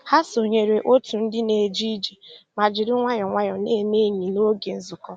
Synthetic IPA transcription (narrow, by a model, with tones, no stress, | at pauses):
ha˦so˨ɲe˨ɾe˨ʔo˦tu˨n̩˦dɪ˦ne˨d͡ʒi˦d͡ʒi˨ma˨d͡ʒɪ˨ɾɪ˦ŋʷa˦ɲɔ˨ŋʷa˦ɲɔ˨ne˦˨me˦ɲi˨no˦ɡe˨n̩˦zʊ˨kɔ˦